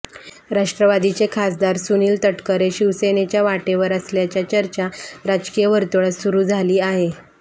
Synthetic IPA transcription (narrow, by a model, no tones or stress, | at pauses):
ɾaʂʈɾəʋad̪it͡sekʰasd̪aɾsuniːlt̪əʈkəɾeɕiʋsenet͡ɕjaʋaʈeʋəɾəsljat͡ɕjat͡ɕəɾt͡ɕaɾad͡ʑkijəʋəɾt̪uɭəsuɾuːd͡zʱaliːaɦe